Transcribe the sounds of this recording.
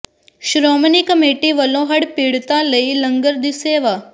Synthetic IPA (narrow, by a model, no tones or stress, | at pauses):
ʃɾoːmniːkəmeːʈiʋəlõɦɐɽpiːɽt̪aləilɐ̃ŋɡəɾd̪iseːʋa